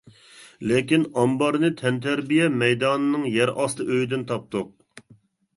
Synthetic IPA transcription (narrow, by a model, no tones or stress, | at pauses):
lɪkʲinɑmbɑɾnɨt̪ʰɛnt̪ʰæɾbijɛmɛjd̪ɑːnɨnɨŋjɛɾɑst̪ɨʔøjd̪ɪnt̪ʰɑp̚t̪ʊq̚